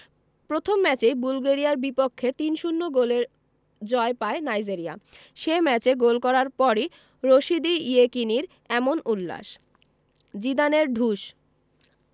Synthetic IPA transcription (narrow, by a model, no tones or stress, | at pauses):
pɾot̪ʰomːɛt͡ɕejbulɡeɾijaɾbipokʰːet̪inʃunːoɡoleɾ | d͡ʑɔepaenajd͡ʑeɾia̰ | ʃemɛt͡ɕeɡolkɔɾaɾpɔɾi | ɾoʃid̪iiekiniɾ | ɛmonulːa̰ʃ | d͡ʑid̪aneɾɖʱuʃ